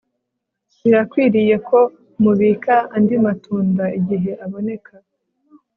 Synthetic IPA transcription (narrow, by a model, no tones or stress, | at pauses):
iɾakwiːɾije̞kʰo̞ | muβiːkaːndimatuːndaiɟiɦe̞ʔaβo̞ne̞ka